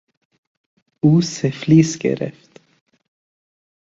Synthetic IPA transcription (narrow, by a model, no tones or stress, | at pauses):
uːsəfliːskə̰ɾɛ̰ft̪